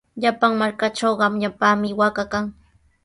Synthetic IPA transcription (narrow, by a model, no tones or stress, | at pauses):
ʎapaŋmaɾkaʈ͡ʂowɢɑmɲapaːmɪwakakaŋ